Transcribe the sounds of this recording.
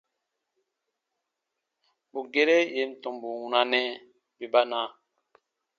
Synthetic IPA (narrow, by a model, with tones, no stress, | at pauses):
bu˨ɡe˦˨ɾe˦je˨˦m̩˨tɔ˨mbu˨wũ˨na˨nɛ˦ | bi˨ba˦na˦